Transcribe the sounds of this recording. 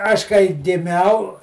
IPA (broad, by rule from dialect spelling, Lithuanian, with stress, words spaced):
ˈɐʃ kɐɪ ɡʲɪˈmʲɛʊ